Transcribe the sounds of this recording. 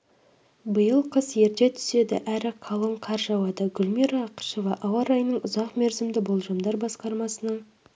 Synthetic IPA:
bəjəlˠqʰəsje̞ɾd̪e̞t̪ʰʏ̥se̞d̪ɪ̰ʔæɾɪqʰɑlˠoɴqʰɑɾʒɑwɑd̪ɑɡʲʏlʲmiɾɑqʰə̥ʃovɑʔɑwɑɾɑjənəɴʊzɑqmeɾzɪmd̪ɪbo̞lˠʒɑmd̪ɑɾbɑsqɑɾmɑsənəɴ

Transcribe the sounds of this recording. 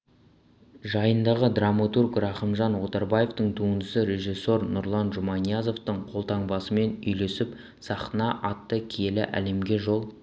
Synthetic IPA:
ʒɑjənd̪ɑʁəd̪ramot̪urkrɑχəmʒɑnwo̞t̪ɑɾbɑje̞ft̪əɴt̪ʰuənd̪əsəɾe̞ʒijsːo̞ɾnʊɾlˠɑnʒʊmɑnijazo̞ft̪əɴqʰo̞lˠt̪ɑɴbɑsəme̞nʏ̰jle̞sɪp | sɑqənɑʔɑt̪ːəkʲʰelɪʔæ̰le̞mɡʲe̞ʒo̞lˠ

